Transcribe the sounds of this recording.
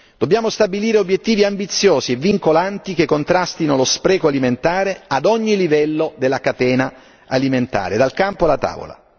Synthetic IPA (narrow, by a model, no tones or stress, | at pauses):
d̪̥obːjaːmost̪abiliːɾeobːjet̪ːiːviambit̪sːjoːzievːiŋkolant̪ikekːont̪ɾast̪inolospɾɛːkoaliment̪aːɾead̪ɔɲːilivɛlːod̪elːakat̪ɛːna | aliment̪a̰ːɾed̪alkampoalat̪a̰ːvo̰la̰